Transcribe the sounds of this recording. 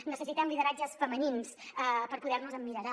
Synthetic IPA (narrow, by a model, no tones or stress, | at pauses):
nəsəsit̪ɛmliðəɾad͡ʒəsfəməninsəpəɾpuðɛrnuzəmːiɾəɾa